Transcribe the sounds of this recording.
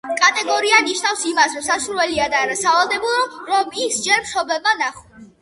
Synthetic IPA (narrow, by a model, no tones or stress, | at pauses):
kʼat̪ʼɛɡɔɾianiʃnafsimasɾɔmsasuɾwɛliad̪aːɾasavalˠd̪ɛbuɾɔɾɔmisd͡ʒɛɾmʃɔbɛmanaχɔ